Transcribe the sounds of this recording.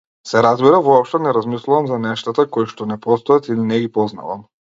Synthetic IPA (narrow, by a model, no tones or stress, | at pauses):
sɛɾazbiɾavɔɔpʃt̪ɔnɛɾazmislˠuvamzanɛʃt̪at̪akɔjiʃt̪ɔnɛpɔst̪ɔat̪ilinɛɡipɔzna̰va̰m